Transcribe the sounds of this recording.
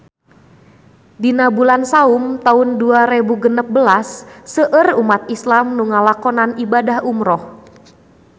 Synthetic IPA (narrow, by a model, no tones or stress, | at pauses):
dinabulansaumt̪aunduaɾebuɡənəp̚bəlasːəʔərumat̪̚islamnuŋalakɔnanibadahumɾɔh